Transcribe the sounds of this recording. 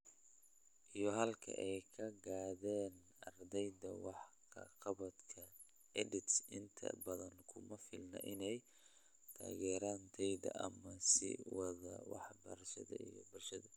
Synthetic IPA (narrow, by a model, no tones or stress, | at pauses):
ʔijɞɦɐlkʰɐ̰ʔɛjkʰɐɡaːðɛːn | ɐrd̪ɛjd̪ɐwɑħkʰɐqɑβɐd̪kʰɐ | ɛdɪt̪sɪnt̪ʰɐ̰bɐðɐŋkʰʊmɐfɪlnɐ̰ʔɪnɛj | t̪ʰa̰ːɣɛːɾaːnt̪ʰɛjd̪ɐ̰ʔɐmɐsɪ̰wɑðɐwɑ̰ħbɐɾʃɐðɐ̰ijɔ̰bʊlʃɐðɐ